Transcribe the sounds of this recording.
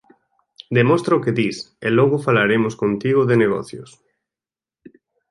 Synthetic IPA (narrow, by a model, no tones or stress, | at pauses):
d̪emɔst̪ɾaokeðis | elɔɣ̞ʊfalaɾemʊskont̪iɣʊðeneɣ̞ɔ̰θjos